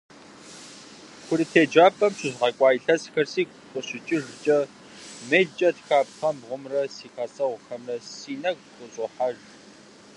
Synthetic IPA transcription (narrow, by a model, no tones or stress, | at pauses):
kʷʊɾitʰeːd͡ʒaːpʼɐmɕɪʑʁɐkʷʼɑːjɬɐzxɐrsiːkʷqʷʊɕɪt͡ʃʼɪʒt͡ʃʼɐ | meːt͡ʃʼɐtxaːpxɐmbʁʷʊmrɐsiːxasʼɐwʷxɐmrɐsiːnɐɡxʷʊɕʼoħaʒ